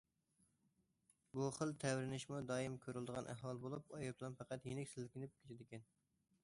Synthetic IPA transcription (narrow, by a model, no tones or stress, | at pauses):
buχəlˠt̪ʰɛwɾɪnɪʃmud̪ɑːjimkʲʰøɾyld̪əʁɑnʔæ̰ɦwɑlˠbolˠupɑjɑplˠɑnfæqæt̪jenɪkʲsɪlɪkʲɪnɪp̚kʲʰet̪ʰɪd̪ɪkʲɛn